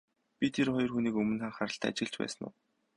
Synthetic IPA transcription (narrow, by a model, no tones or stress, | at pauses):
pʲit̪ʰerχɔjɞ̆rxuːniːkɵmɵ̆nχaɴχaɾə̆ɬt̪ʰæːa̰t͡ɕɪ̆ɮt͡ɕpæ̰ːsə̆nʊ̰w